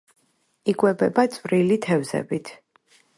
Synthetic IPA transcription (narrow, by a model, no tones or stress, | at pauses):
iɡwɛbɛbat̪sʼwɾilit̪ʰɛvzɛ̰bit̪ʰ